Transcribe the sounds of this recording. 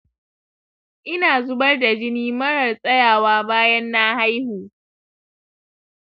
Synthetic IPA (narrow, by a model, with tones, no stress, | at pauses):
ʔɪ˦naː˨zʊ˦bɐ˦rda˨d͡ʒɪ˦niː˦mɐ˦ɽɐ˨rsʼɐ˦jaː˨waː˦baː˦jɐ˦nːa˦ha˦jhuː˨